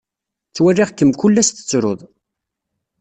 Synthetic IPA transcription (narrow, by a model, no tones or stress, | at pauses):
t͡sːwærːɪʁkːəmkʊlːæst̪ə̥t͡sːɾo̰ðˤ